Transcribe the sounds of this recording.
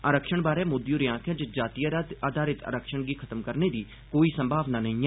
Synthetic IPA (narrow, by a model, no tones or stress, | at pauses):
aːɾəkʃəɳbaːɾeːmʊd̪juːɾɪjãːkʰãd͡ʒd͡ʒaːt̪ijəɾat̪aːd̪ʱaːɾɪt̪a̰ːɾəkʃəɳɡiːkʰət̪əmkəɾneːd̪iː | koːiːsə̃mbʱaːʋnaːnəɦĩːa